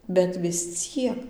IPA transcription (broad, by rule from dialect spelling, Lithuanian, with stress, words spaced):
bʲɛt ʋʲɪs ˈt͡sʲiɛk